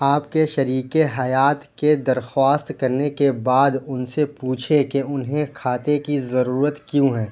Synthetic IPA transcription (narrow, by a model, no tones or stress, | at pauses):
aːpkeʃɐɾiːkeɦɐjaːt̪ked̪ɐɾxwaːst̪kɐɾnekebaːd̪ʊnsepuːt͡ʃʰekeʊnɦẽkʰaːt̪ekizɐɾuːɾət̪kjũɦɛ̃ː